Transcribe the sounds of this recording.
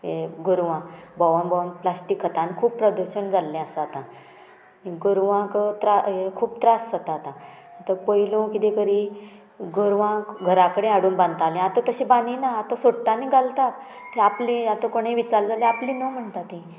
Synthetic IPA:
eɡuɾʋãbɔʋənbɔʋənplasʈikʰːət̪anikʰuːbpːɾəd̪əɾɕənd͡zalːɛ̃əsat̪ã | niɡuɾʋãkt̪ɾaɦekʰuːbt̪ɾasd͡zət̪at̪ã | t̪əɾpəilõkit̪ẽkəɾi | ɡoɾʋãkɡʱəɾakəɽẽaɽuːnbãnd̪t̪alẽat̪ət̪əɕĩbaninaːt̪əsoɽt̪aniɡalt̪ak | t̪iaplĩat̪əkoɽ̃eʋit͡sald͡zalẽaplĩnəm̤əɳt̪at̪ĩ

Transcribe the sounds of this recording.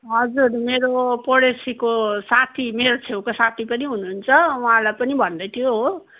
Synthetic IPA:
ɦʌd͡zurmeɾopoɽesikosat̪ʰimeɾot͡sʰewkosat̪ʰipʌniɦunuɦːnt͡sʰʌuɦãlajpʌnibʱʌnd̪ʌjt̪ʰijoɦo

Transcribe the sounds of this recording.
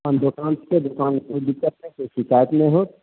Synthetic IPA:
ənd̪ʊkãːnsked̪ʊkaːnpud̪ɪkːət̪̚mẽkeʃɪkaːjət̪mẽɦoː

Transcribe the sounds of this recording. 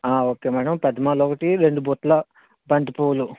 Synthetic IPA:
aːoːkeːmaːɽɐmpɐd̪ɐmaːloːkɐʈiɾe̞ɳɖubuːt̪lɐ | bɐnd̪ipoːlu

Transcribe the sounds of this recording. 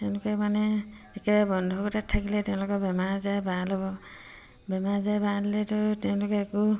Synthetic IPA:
tɛʊ̃lʊkɔmanɛː | kɛbajabɔndʱɔkɔtatʰːakilɛtɛʊ̃lʊkɔbɛmaɹzabaalɔbɔ | bɛmaɹzajbaalilɛtɔtɛʊ̃lʊkɔɛku

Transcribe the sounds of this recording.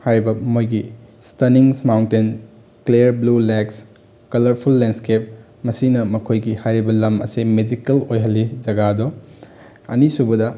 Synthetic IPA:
hajɾibɐmojɡistɐniŋsmawnten | kleɾbluleks | kɐlɐɾpʰulːenskep̚ | mɐsinɐmɐkʰojɡihajɾibɐlɐmɐ̰simed͡ʒikɐlojɦɐlːid͡ʒɐɡado | ɐ̰nisubɐdɐ

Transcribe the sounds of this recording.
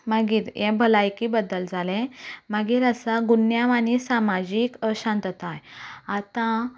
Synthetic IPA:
məɡiːɾjɛ̃bʱəlajkiːbəd̪əld͡zalɛ̃maɡiːɾəsaɡunjaʋanisamad͡ʑikəɕãnt̪ət̪ajat̪ã

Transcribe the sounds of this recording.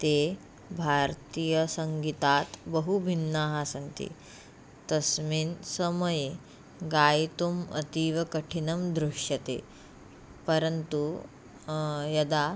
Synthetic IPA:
t̪e | bʱaɾt̪ijəsɐŋɡit̪aːt̪bəɦubʱinːaɦasɐnt̪ḭ | t̪ɐsmiːnsɐmɐje | ɡaːjt̪umɐ̰t̪iːʋɐkɐʈʰinɐmd̪ɾuʂjɐt̪ḛ | pɐɾənt̪u | jɐd̪a

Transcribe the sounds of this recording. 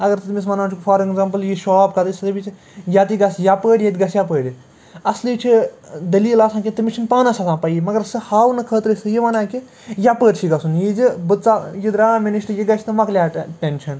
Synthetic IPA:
ɐɡɐɾt̪ɨt̪mis̬mɐnaːt͡ʃʰukfʰaːɾeɡzampɐljiʃɔːpkɐt̪ɨsɐt̪ɐbʲit͡ʃʰ | jat̪iɡɐsjapəːɽʲjɐt̪ʲɡɐsjap̬əːɽʲi | ɐsliːt͡ʃʰid̪ɐliːlaːsãːkʲit̪ɨmʲit͡ʃʰinpaːnɐsɐtãːpɐjimɐɡɐɾsɨhaːwnɐkʰəːt̪ɾɨsɨjiʋɐnãːki | japəːɾʲt͡ʃʰiɡɐsunjid͡ʒɨbɨt̪t͡sajid̪ɾaːmʲeniʃʈɨjiɡɐt͡ʃʰt̪ɨmɐklʲjaːʈent͡ʃʰɐn

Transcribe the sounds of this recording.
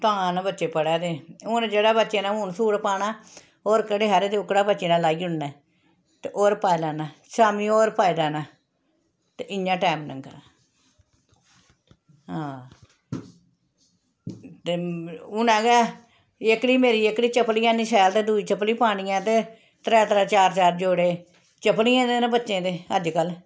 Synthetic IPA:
t̪ʊãːãːnãbətːʃeːpəɽaːd̪eːʊnd͡ʒeːɽaːbətːʃeːnãːuːnsuːɽpaːnaː | oːɾkəɽeːɦaɾeːt̪eʊkːɽaːbətːt͡ʃeːnãːlaːiːʊnnɛː | t̪eʔoːɾpaːilaːnaːsaːmĩːoːɾpaːiːd̪aːnaː | t̪eʔɪɲːãːʈɛːmnə̰̃ːkəɾaː | ɦãː | t̪eːʊnãːɡɛː | ɪkːɽiːmeːɾiːɪkːɽiːt͡ʃəpliːãːniːsɛːlt̪eːd̪uːiːt͡ʃəpliːpaːɽ̃iːãːt̪eː | t̪ɾɛːt̪əɾaːt͡ʃaːɾt͡ʃaːɾd͡ʒoːɽeː | t͡ʃəpliːɛ̃ːd̪eːnãːbətːʃẽːt̪eːəd͡ʒkəl

